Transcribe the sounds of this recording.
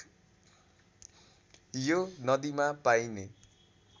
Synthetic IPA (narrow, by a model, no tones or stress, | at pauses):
jonʌd̪imapajne